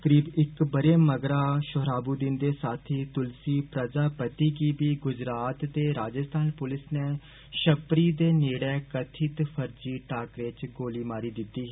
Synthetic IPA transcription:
kəɾiːbɪkbəɾeːməɡɾaːʃʊɦɾaːbuːd̪ɪnd̪eːsaːt̪ʰiːt̪ʊlsiːpɾəd͡ʒaːpət̪iːɡiːbiːɡʊd͡ʒɾaːt̪d̪eːɾaːd͡ʒəst̪ʰaːnpʊlɪsneː | ʃəpɾiːd̪eːneːɽɛːkət̪ʰɪt̪pʰəɾd͡ʒiːʈaːkɾet͡ʃɡoːliːmaːɾiːd̪ɪt̪ːiːɦː

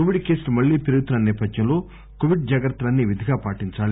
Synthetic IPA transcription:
koʋiɖke̞ːsmɐɭːiːt̪iɾuɡut̪unɐnɛːpɐd̪jɐmlo̞ː | koʋiɖ̚d͡ʒaːɡɐɾɐt̪ːɐlɐnːiʋid̪ʱiɡaːpaːʈiɲt͡ʃaːli

